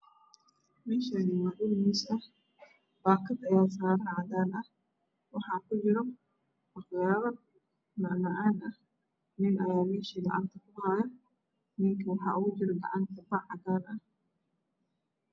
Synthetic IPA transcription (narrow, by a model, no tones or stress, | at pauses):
mɛːʃanɪwaʔʊlmɪsɐ | baːkʰɐd̪ɐjaːs̬aːɾɐnʕɑd̪aːnɐh | wɑħɑːkʊd͡ʒɪɾɔ | mɑχjaːβɐ | nɑʕnɐʔaːnʔɐh | nɪnʔɐjaːmɛːʃiːɡɑ̰ʕɑ̰nt̪ʰɐkʊdaːjɐ | nɪŋkʰɐwɑħɑ̰ːʔʊɣʊd͡ʒɪɾɡɑ̰ʕɑnt̪ʰɐbɐʕɑd̪aːnɐh